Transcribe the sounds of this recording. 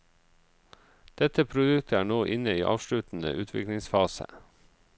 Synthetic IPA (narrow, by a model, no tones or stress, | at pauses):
d̪̥ɛt̪əpʰɾʊd̪ʉkt̪ʰəæːɳoːʔɪnəiːʔɑ̰ːʋʃlʉt̪n̩ə̰ʔʉːt̪ʰʋɪ̰klɪŋsfɑːsə̰